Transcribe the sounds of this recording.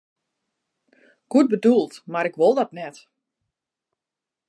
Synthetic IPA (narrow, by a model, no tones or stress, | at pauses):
ɡ̥uət̚bədulˠtmaɾɪkʋolˠdɔtnɛt